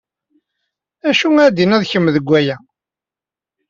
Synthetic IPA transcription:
æʃuæd̪inæðçəmːðəɡʷːæjæ

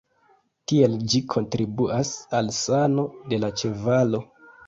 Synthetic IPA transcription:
tie̞ld͡ʒikʰo̞ntɾibuʔasalsano̞de̞lat͡ʃe̞valo̞

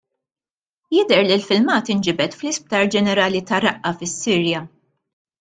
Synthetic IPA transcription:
jɪd̪ɛɾlilfɪlmɐːt̪ɪnd͡ʒɪbɛt̪flɪsp̚t̪ɐːɾd͡ʒɛnɛɾɐːlit̪ɐɾɐʔːɐfɪsːiːɾjɐ

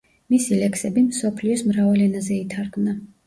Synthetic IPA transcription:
misilɛksɛbimsɔpʰliɔsmɾavalɛnazɛit̪ʰaɾɡmna

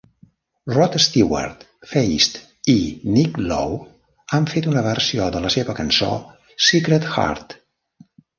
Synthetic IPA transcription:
rɔt̪əst̪iwa̰ɾt̪ | fejst̪ | iniklo̰w | aɱfet̪unəβərsioðələseβəkənso̰ | sikɾət̪xa̰ɾt̪

